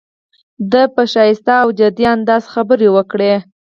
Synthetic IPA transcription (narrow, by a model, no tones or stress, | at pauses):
d̪əpəʃɑjɪst̪aːwd͡ʒad̪iand̪ɑsxabəɾewəkɽe